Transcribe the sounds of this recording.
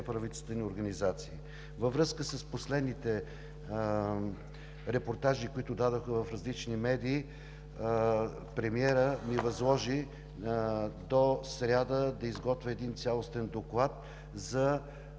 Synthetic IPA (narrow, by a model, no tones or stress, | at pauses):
ɛpɾɐvit̪ɛst̪vənʲioɾɡənizat̪siː | vɐvɾɤskəsəsposlɛd̪nit̪ɛ | ɾɛpoɾt̪aʒikoit̪ʊd̪ad̪oxəvɐfɾɐzlit͡ʃnimɛd̪iː | pɾɛmiɛɾənivɐzlˠɔʒi | d̪osɾʲad̪əd̪ɐizɡɔt̪vʲɛɛd̪int̪sʲalˠost̪ɛnd̪oklˠat̪̚ | zɐ